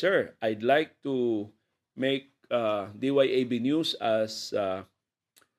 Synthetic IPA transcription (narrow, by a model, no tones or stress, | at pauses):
sɛɹajd̪lajk̚t̪u | meɪk̚ad̪iwajʔejbinjusasa